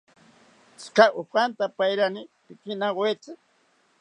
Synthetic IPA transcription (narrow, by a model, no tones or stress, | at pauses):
t͡skaopant̪apajɾanɪpɪkɪnaɢwet͡sɪ